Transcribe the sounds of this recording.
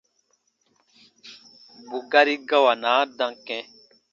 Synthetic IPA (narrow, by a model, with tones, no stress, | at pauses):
bu˨ɡa˦ɾi˦ɡa˦wa˨naː˨˦dã˨ŋkɛ̃˦